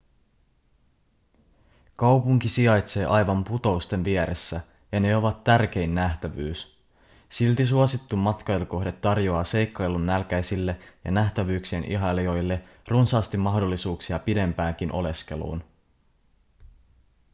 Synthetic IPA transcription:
kɑwpuŋkisiɑjt̪se̞ːʔɑjʋɑmput̪o̞ust̪e̞nʋieɾesːæ | jɑne̞o̞ʋɑt̪ːærk̟e̞jnːæht̪æʋyːs | silt̪is̬uosit̪ːumːɑt̪kɑeluko̞ɦde̞t̪ːɑrjo̞ɑːse̞jkːɑelunːælk̟æjsilːe̞jɑ̰næht̪æʋyːksienʔḭɦɑlio̞jlːe̞ | runsɑːst̪imːɑhdo̞lːisuːksiɑpide̞mpæːŋk̟inʔo̞̰le̞ske̞̰lṵːn

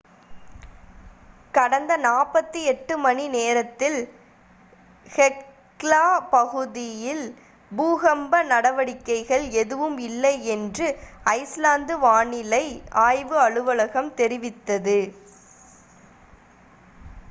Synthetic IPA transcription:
kɐɽɐnd̪ɐnaːpɐt̪ːiɛʈːɯmɐɳineːɾɐt̪ːɪl | hɛ | laːpɐɣɯðɪjɪl | buːɣɐmbɐnɐɽɐʋɐɽɪkːɐɪɣɐɭɛðɯʋɯmɪlːɐɪɛndrɯɐɪslaːnd̪ɯʋaːɳɪlɐɪʔaːjʋɯɐɻɯʋɐɭɐɣɐmt̪ɛɾɪʋɪt̪ːɐðɯ

